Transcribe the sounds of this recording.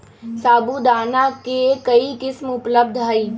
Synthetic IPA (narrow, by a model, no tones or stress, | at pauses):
saːbud̪aːnakekɐikɪsmʊpləb̚d̪ʱɦəiː